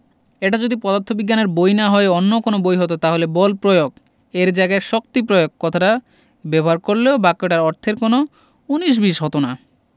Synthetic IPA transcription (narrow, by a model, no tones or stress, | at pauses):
eʈad͡ʑod̪ipɔd̪at̪ʰːobiɡːaneɾbojnaɦɔeonːokonobojɦɔt̪ot̪aɦolebɔlpɾojoɡ | eɾd͡ʑaeɡaeɾʃok̚t̪ipɾojoɡ̚kɔt̪ʰaʈa | bɛboɦaɾkoɾleobakːoʈaɾɔɾt̪ʰeɾkono | uniʃ̬biʃɦɔt̪ona